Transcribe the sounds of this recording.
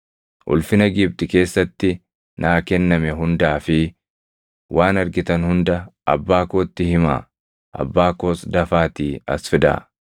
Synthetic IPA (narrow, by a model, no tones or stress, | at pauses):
ʔʊ̰lfɪnɐɡɪb̚t̪ɪke̞ːsːɐt̪ːɪ | nʔaːkɛnːɐmɛɦʊnd̪aːfɪ | wʔaːnɐɾɡɪt̪ɐnhʊnd̪ɐɐ̰bːaːkoːt̪ːɪhɪma̰ː | ʔɐ̰bːaːkoːsd̪ɐfaːt̪iːɐ̰sfɪd̪a̰ː